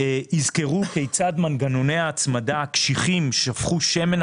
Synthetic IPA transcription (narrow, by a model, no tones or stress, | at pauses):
izke̞ʁukejt͡sadmanɡano̞ne̞jaːt͡smadakʃiχimʃeafχuʃemen